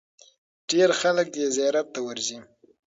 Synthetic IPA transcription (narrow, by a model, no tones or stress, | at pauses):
ɖ̥eɾxalək̚d̪ezajɑɾat̪ːawəɾzi